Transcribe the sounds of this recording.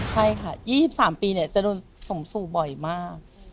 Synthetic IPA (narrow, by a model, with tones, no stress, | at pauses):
t͡ɕʰa˥˩jkʰa˥˩jiː˥˩si˨˩p̚saː˩˦mpiː˧ni˥˩ɐt͡ɕa˨˩doː˧nso˨˩˦msuː˨˩bɔ˨˩jmaː˥˩k̚